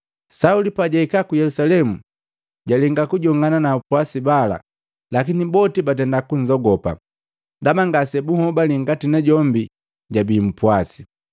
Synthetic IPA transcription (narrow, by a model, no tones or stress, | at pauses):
saulipaɟaikakujɛlusalɛmu | ɟalɛŋɡakuɟɔŋɡananapwasibala̰ | lakinibɔtibatɛndakuɲ̩zɔɡɔpa̰ | damaŋɡasɛbuhɔbaliŋ̩ɡatinɛɟɔmbi | ɟabiːm̩pwasi